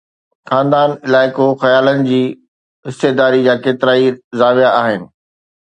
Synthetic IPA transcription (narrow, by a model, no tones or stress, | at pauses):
xãːnd̪aːnɪlaːɪkoxɐjaːlənɪ̆d͡ʑiː | ɦɪst̪eːd̪aːɾid͡ʑaːkeːt̪ɪɾaːizaːʋijaaːɦɪnɪ̆